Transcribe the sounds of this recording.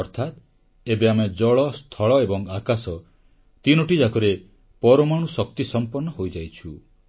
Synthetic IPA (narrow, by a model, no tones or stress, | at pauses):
ɔɾt̪ʰat̪̚ | ebeamed͡ʒɔɭɔst̪ʰɔɭɔebɔŋakasɔ | t̪inɔʈid͡ʒakɔɾe | pɔɾɔmaɽ̃usɔk̚t̪isɔmpɔɾnːɔɦojd͡ʒajt͡ʃʰu